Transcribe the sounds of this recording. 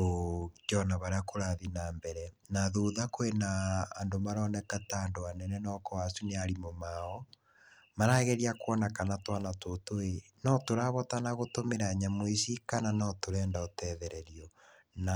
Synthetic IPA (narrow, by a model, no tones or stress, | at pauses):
od͡ʒɔnaβaɾeakoɾaðinambɛɾɛnaðuðakoenaːndomaɾɔnɛkataːndoanɛnɛnɔkɔasuneaɾimomaɔ | maɾaɣɛɾiakwɔnakanatwanatotoe | nɔtoɾaβɔtanaɣotomeɾaɲamoisikananɔtoɾɛːndaotɛðɛɾɛɾiɔ | na